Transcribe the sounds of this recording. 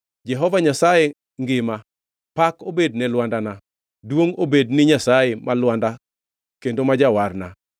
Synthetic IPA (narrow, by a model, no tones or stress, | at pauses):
d͡ʒɛɦɔvaɲasaje | ŋɡɪma | pakobednɛlwandana | dwoŋobednɪɲasajemalwanda | kendomad͡ʒawarna